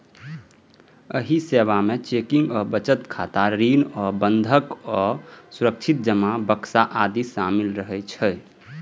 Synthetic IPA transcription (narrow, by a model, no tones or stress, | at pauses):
əɦiseʋamet͡ʃekĩŋɡɔːɾbət͡ʃət̪kʰat̪aɾinɔːɾbənd̪ʱəkɔːsuɾək̚t͡ʃʰit̪̚d͡ʒəmabəksaʔad̪isamilɾəɦɛt͡ʃʰɛ